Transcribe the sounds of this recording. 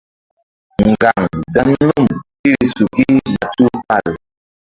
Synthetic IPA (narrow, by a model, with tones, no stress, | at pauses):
ŋ̩˨ɡa˨ŋda˦ŋnu˦˨mti˦ɾi˨su˨ki˦ma˨tu˦pa˦˨l